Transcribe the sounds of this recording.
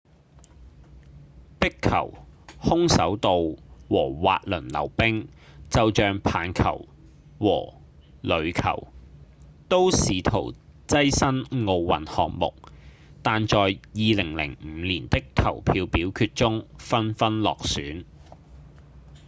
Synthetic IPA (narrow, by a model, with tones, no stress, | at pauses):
pɪ˥kʰɐ̰˨˩whʊ˥ŋsɐ̰˨˥wt̪o˨wwɔː˨˩wa̰ː˧t̚lɵ˨˩nlɐ̰˨˩wpɪ˥ŋ | t͡sɐ˨wt͡ʃœː˨ŋpʰaː˨˥nkʰɐ̰˨˩w | wɔ̰ː˨˩ | lɵ˨˧ɥkʰɐ̰˨˩w | t̪o˥wsiː˨t̪ʰo̰˨˩wt͡sɐ˥jsɐ˥nŋo˨˧wwɐ˨nhɔː˨k̚mʊ̰˨k̚ | t̪aː˨nt͡sɔː˨jjiː˨˧lɪ˨˩ŋlɪ̰˨˩ŋm̩ː˨˧liː˨˩nt̪ɪ˥kʰːɐ˨˩wpʰiː˧wpiː˨˥wkʰyː˧t̚t͡sʊ˥ŋfɐ˥nfɐ˥nlɔ̰ː˨k̚syː˨˥n